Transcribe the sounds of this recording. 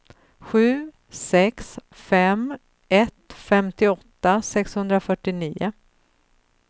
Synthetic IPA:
ɧʉ̟ː | sɛks | fɛm | ɛt̪fɛmt̪ɪɔt̪ːasɛkshɵnd̪ɾafœʈːɪniːʊ

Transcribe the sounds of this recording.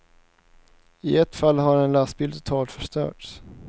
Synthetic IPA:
ɪɛt̪ːfalːɦaɾɛnlast̪̚bɪld̪t̪ʰʊ̥t̪ʰɑːlt̪fœʂt̪œ̰ːʈs

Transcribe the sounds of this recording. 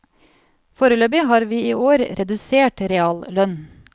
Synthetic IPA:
foːɾəløːbɪhɑːɾʋiːiːʔoːɾɾɛd̪ʉseːʈɾɛɑːllœn

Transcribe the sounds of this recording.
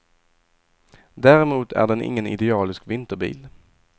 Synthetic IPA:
d̪æːɾɛmuːt̪ʰæ̰ɖɛnʔɪ̰ŋːənɪ̰d̪ɛɑːlɪskvɪnt̪əɾbḭːl

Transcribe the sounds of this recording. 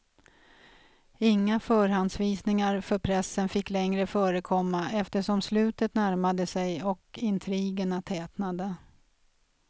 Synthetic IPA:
ɪŋːafœːɾhand̪sviːsnɪŋaɾfœɾpʰɾɛsːənfɪkːlɛŋɾəfœːɾəkʰɔmːaɛft̪əʂɔmslʉ̟ːt̪ət̪næɾmad̪əsɛjɔkɪnt̪ʰɾiːɡəɳat̪ʰɛːt̪nad̪ə

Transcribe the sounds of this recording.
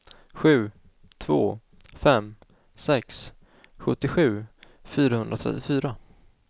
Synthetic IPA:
ɧʉ̟ː | t̪ʰvo̰ː | fɛm | sɛks | ɧɵt̪ːɪɧʉ̟ː | fyːɾahɵnɾat̪ʰɾɛ̰t̪ːɪfyːɾa

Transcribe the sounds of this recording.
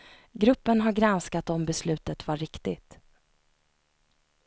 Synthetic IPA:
ɡɾɵpːənɦaɾɡɾanskat̪ɔmbɛslʉ̟ːt̪ət̪vaɾɪkt̪ɪɡt̪

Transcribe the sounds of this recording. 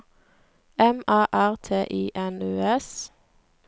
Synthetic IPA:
ɛmɑːʔæʁt̪ʰeːʔiːʔɛnʉːɛs

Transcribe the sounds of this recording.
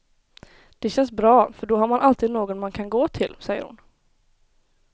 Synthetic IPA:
d̪̥ɛɕɛnsbɾɑːfœɖɔɦaɾmanʔalt̪ʰiːd̪noːɡɔnmankʰanɡoːt̪ʰɪlsɛjːə̰ɾhʊ̰n

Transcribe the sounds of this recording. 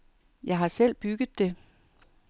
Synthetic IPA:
jɑ̈ɪɦɑ̈sel̰b̥yɡ̥ð̩ˠd̥e̝

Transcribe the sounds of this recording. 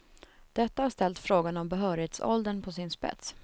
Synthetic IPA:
d̪̥ɛt̪ːahaʂt̪ɛlt̪fɾoːɡanɔmbɛɦœːɾɪheːt̪sɔ̰ld̪əɳpʰɔsɪnspɛ̰t̪s

